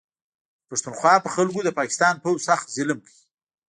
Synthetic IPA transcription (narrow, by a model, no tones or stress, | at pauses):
paʂt̪unxwɑpəxalɡod̪əpɑkɪ̥st̪ɑnpowsaxt̪zɪlmkʰəji